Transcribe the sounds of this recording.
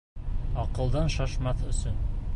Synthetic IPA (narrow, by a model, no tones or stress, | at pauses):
ɑqɤ̆lˠd̪ɑnʃɑʃmɑθɵ̆sɵn